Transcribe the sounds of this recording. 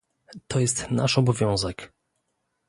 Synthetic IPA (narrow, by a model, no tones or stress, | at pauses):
t̪ʰɔjɛst̪naʂɔbɔvʲjɔ̃w̃zɛk